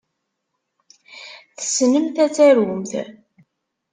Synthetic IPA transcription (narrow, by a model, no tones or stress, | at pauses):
θə̥snəmθæt͡sːæɾumθ